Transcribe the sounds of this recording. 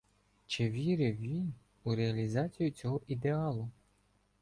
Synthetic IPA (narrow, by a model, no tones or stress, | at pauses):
t͡ʃɪʋʲiɾɪʋʲin | uɾeɐlʲizɑt͡sʲijʊt͡sʲɔɦɔʔid̪eɑlˠʊ